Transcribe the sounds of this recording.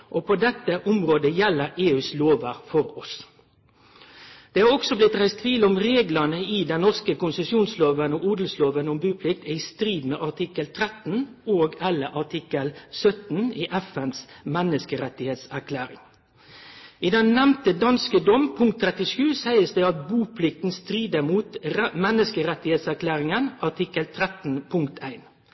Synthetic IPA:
ʔopʰɔd̪ɛt̪ːəʔʊmɾoːd̪əjɛlːəɾeːʉːsloːʋəɾfɔɾɔs | d̪̥eːhɑɾɔksɔblɪt̪ʁæɪst̪ʰʋiːlʊmʁeːɡlɑnəɪd̪ɛnnɔʁskəkʊnsəsjuːnsloːʋənɔuːd̪lsloːʋənʊmbʉːpʰlɪk̚t̪æɪst̪ɾiːd̪meːʔɑt̪ʰɪkəlt̪ʰɾɛt̪n̩oːɡɛlːəɾʔɑʈ̪ʰɪkəlsœt̪n̩iːʔɛfɛnsmɛnːəskəɾɛt̪ːɪheːt̪sæɾkʰlæːɾɪ̰ŋ | ʔid̪ɛnːɛmt̪əd̪ɑnskəd̪ɔmpʰʊŋkt̪ʰːɾɛt̪ɪʂʉːsæɪəsd̪ɛɑt̪̚buːpʰlɪk̚t̪n̩st̪ɾiːd̪əmuːt̪mɛnːəskəɾɛt̪ːɪheːt̪sæɾkʰlæːɾɪŋənɑʈɪkəlt̪ʰɾɛt̪n̩pʰʊŋkt̪ʰæɪn

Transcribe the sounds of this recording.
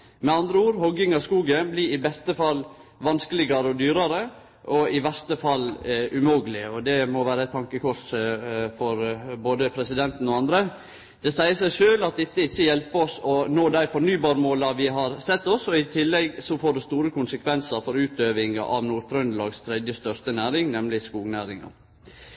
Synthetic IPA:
mɛɑnd̪ɾəuːɾhɔɡɪŋɑskuːɡənbliɪbɛst̪əfɑlːʋɑnskəlɪɡɑɾəɔd̪yːɾɑɾə | ʔɔɪʋɛst̪əfɑlːʉmoːɡəlɪɔd̪ɛmɔʋæːɾəɛt̪ʰɑŋkəkʰɔʂ | fɔɾboːd̪əpʰɾɛsɪd̪ɛnt̪n̩ɔɑnd̪ɾə | d̪̥ɛsæɪəsæɪʂøːlɑt̪̚d̪ɛt̪ːəɪçːəjɛlpəɔsɔnoːd̪æɪfɔnyːbɑːɾmoːlɑʋɪɦɑɾsɛt̪ːɔsɔɪt̪ʰɪlːɛɡsɔfoːɖʉst̪uːɾəkʰʊnsəkʰʋɛnsəɾfɔɾʉːt̪øːʋɪŋɑ̰ʔɑʋnuːɾt̪ʰɾœnlɑːɡst̪ʰɾɛd̪jəst̪œɾst̪ənæːɾɪŋnɛmlɪskuːɡnæːɾɪŋɑ̰

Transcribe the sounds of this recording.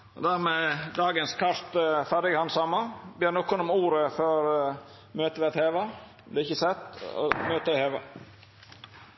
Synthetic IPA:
ɔ̰d̪æɾmɛd̪ɑːɡənskʰɑʂt̪fæɖɪɡhɑnsɑmːɑbjeːnɔkːɔnɔmuːɾəføɾ | møːt̪əʋɛt̪heːʋɑ | d̪ɛɾɪçːəsɛt̪ːɔ̰møːt̪əɛheːʋɑ

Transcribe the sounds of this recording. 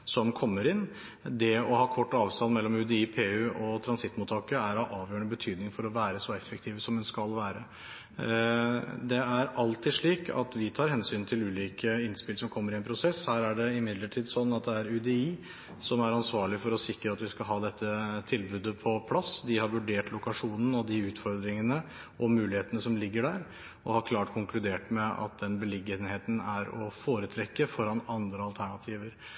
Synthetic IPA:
sɔmkʰɔmːəɾɪnː | d̪ɛɔhɑːkʰɔʈːɑːʋst̪ɑnmɛlːɔmʉd̪ɛiːpʰeːʉːʔɔt̪ʰɾɑnsɪt̪mʊːt̪ʰɑːkəæɾɑʔɑːʋjøːəɳəbət̪ʰyːd̪nɪŋfɔɾɔʋæːɾəsɔɛfək̚t̪ʰiːʋəsɔmd̪ɛnskɑlʋæːɾə | d̪ɛæɾʔɑlt̪ɪʂɭiːkʰɑ̰t̪ʋɪt̪ʰɑːɾhɛnsyːnt̪ʰɪlʉːliːkəɪnspɪlsɔmkʰɔmːəɾɪɛnpʰɾʊsɛshæːɾæɖɛɪmɪd̪ləʈʰiːd̪sɔnːɑt̪̚d̪ɛæɾʉd̪ɛiː | sɔmæɾɑnsʋɑːɭɪfɔɾɔsɪkɾəɑt̪ʋɪskɑlɦɑːd̪ɛt̪ːət̪ʰɪlbʉːd̪əpʰɔpʰlɑsd̪ɪhɑɾʋʉɖeːʈlʊkɑʂuːnn̩ɔd̪ɪʉːt̪fɔɾd̪ɾɪŋənə | ɔmʉːlɪheːt̪ənəsɔmlɪɡːəɖæːɾ | ɔhɑɾkʰlɑːʈkʰʊŋklʉd̪eːʈmɛɑ̰t̪̚d̪ɛnbəlɪɡːənheːt̪n̩æɾɔfoːɾət̪ʰɾɛkːəfɔɾɑnɑnd̪ɾəɑlt̪ʰæɳɑt̪ʰiːʋəɾ

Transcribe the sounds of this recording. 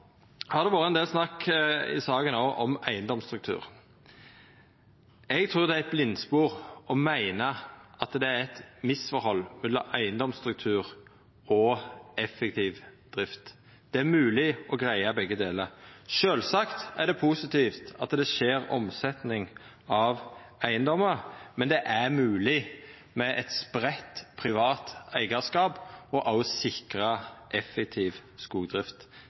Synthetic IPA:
hɑʁd̪ɛʋɑːɾəɛnd̪eːlsnɑkːɪ̰sɑːɡənoːʔɔmæɪənd̪ɔmst̪ɾʉk̚t̪ʰʉ̰ːʁ | ɛɡt̪ʰɾuːʁd̪ɛæɛt̪̚blɪnːspuːʁɔmæɪnəʔɑt̪d̪ɛæɾɛt̪mɪsfɔɾhɔlːmʉd̪ɑ̰ʔæɪənd̪ɔmst̪ɾʉk̚t̪ʰʉːʁ | ɔɛfːɛk̚t̪ʰiːʋd̪̥ɾɪft̪ | d̪̥ɛæɾmʉːlɪɔɡʁæɪɑbɛɡːəd̪eːləɾʃøːlsɑkt̪æɖ̪ɛpʰusɪt̪iːft̪ɑt̪d̪ɛʃeːɾɔ̰msɛt̪nɪŋ | ɑʋ | æɪənd̪ɔməmɛnd̪ɛʔæɾmʉːlɪ | mɛʔɛt̪spɾɛt̪ːpʰʁɪʋɑːt̪æɪɡɑskɑːbɔʔɑlsɪkɾəʔɛfːɛk̚t̪ʰiːʋskuːɡd̪ɾɪft̪

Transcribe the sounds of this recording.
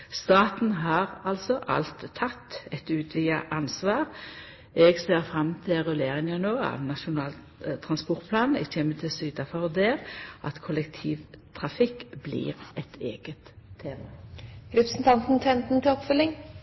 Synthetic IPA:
st̪ɑːt̪n̩ɦɑːʁɑlsɔʔɑ̰lt̪ʰːɑt̪ːɛt̪ʉːt̪ʰʋɪːɑʔɑnsʋɑːʁ | ɛɡseːʁfʁɑmt̪ʰɪʁʉleːʁɪŋənoːɑ̰ʋnɑʃʊnɑːl | t̪ʰɾɑnspɔɾt̪pʰlɑːn̩ɛ̰ɡçemːət̪ʰɪlsyːt̪ɑfɑʁɔd̪eːʁʔɑ̰t̪kʰʊlɛkt̪ʰiːʋt̪ʰʁɑfɪkːblḭːʁʔɛt̪ʰeːɡ̥ət̪ʰːeːmɑɾɛpɾsn̩t̪ʰɑnt̪n̩t̪ʰɛnt̪n̩t̪ɪlɔpfœlːɪŋ

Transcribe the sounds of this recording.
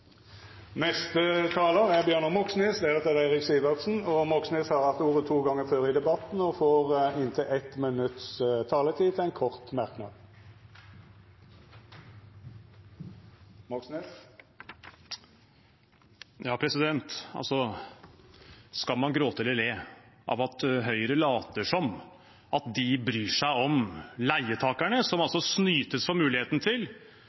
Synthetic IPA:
nɛst̪ət̪ʰɑːləʁæʁbjøːnəmɔksneːsd̪eʁət̪ʰɑd̪æɪʁɪksiːʋəʁd̪sn̩ɔmɔksneːshɑːʁhɑft̪uːʁət̪ʰuːɡɑŋəføːʁɪːd̪ɛbɑt̪nɔfoːʁɪnt̪ʰɪlʔɛt̪mənʉt̪st̪ʰɑːlət̪ʰiːt̪ʰæɪnkʰɔʁt̪mɑʁknɑ̰d̪ | mɑksnɛ | jɑːpʰɾɛsɪd̪ɛnt̪ɑ̰lsɔ | skɑlmɑnɡɾoːt̪əɛlːəɖ̪ɛʔɑ̰ːʋɑt̪ɦœʏɾəlɑːt̪əʂɔm | ɑt̪̚d̪ɪbɾyːʂæɪɔmlæɪət̪ʰɑːkæɳəsɔmɑlsɔsnyːt̪əsfɔmʉːlɪheːt̪nət̪ʰɪl

